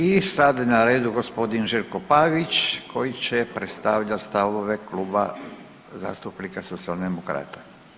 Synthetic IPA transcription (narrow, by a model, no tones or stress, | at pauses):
isad̪naɾe̞ːd̪uɡo̞spo̞d̪inʒiɾkopaʋit͡ʃkʰo̞jit͡ɕepɾet̪st̪aʋʎast̪aʋoʋekluːba̰ | za̰ːst̪upnikaso̞t̪siald̪emokɾa̰ːt̪ḁ